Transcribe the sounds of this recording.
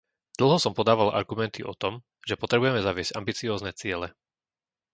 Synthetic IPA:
d̪̥l̩ˠɦɔsɔmpɔd̪aːʋalʔa̰ɾɡumɛnt̪iʔɔt̪ɔm | ʒɛpɔt̪ɾɛbujɛmɛzaʋɪɛz̥ɟa̰mbit͡siɔːznɛt͡sɪɛlɛ

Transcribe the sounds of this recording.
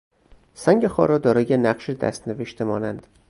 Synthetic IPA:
sæŋɟexɒ̰ːɾɒːd̪ɒːɾɒːjenæɢʃed̪æ̰st̪neveʃt̪ʰemɒːnænd̪̥

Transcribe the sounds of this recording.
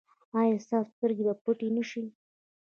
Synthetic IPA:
ɑjɑst̪ɑsst̪əɾɡebapuʈinəʃi

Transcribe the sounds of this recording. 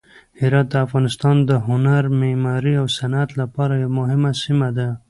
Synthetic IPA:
hɪɾɑt̪̚d̪əafɣɑnɪst̪ɑnd̪əɦʊnaɾmemɑɾiawsanat̪lapɑɾajamʊɦɪmasimad̪a

